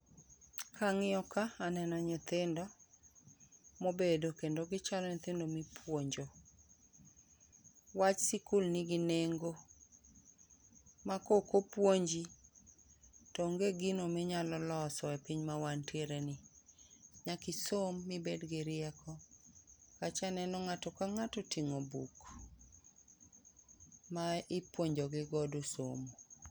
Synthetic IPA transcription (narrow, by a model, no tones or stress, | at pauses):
kʰaŋɪɔkaanɛnɔɲɪt̪ɪndɔ | mobedokendoɡɪt͡ʃalɔɲɪt̪ɪndomɪpʰwoɲd͡ʒo | wat͡ʃsikulnɪɡɪneŋɡo | makokopwoɲd͡ʒi | tɔŋɡeɡinomɪɲalɔlɔsɔepiɲmawantjeɾenɪ | ɲakisomːɪbedɡɪɾɪɛkʰɔ | kat͡ʃanɛnɔŋatɔkaŋatotiŋobuk | maɪpwoɲd͡ʒɔɡɪɡɔdoso̰mo